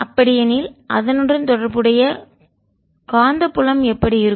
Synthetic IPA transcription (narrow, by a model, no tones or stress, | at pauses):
ɐpːɐɽɪjɐniːlʔɐ̰ðɐnɯndrɯnt̪ɔɽɐɾbɯɽɐjɐ | kaːnd̪ɐpːʊlɐmɛpːɐɽiɪɾɯ